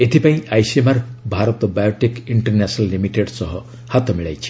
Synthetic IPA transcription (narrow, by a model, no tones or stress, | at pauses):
et̪ʰipaĩajsemarbʱaɾɔt̪ɔbajoʈikiɳʈɔrnasɔnalːimiʈeɖsɔɦɔ | hat̪ɔmiɭajt͡ʃʰi̥